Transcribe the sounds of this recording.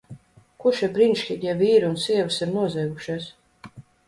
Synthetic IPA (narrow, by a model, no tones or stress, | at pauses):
kuʃɛbɾinʃkʲit̪ʲɛviːɾunsiɛvɨsiɾnuɔzɛjɡuʃaːs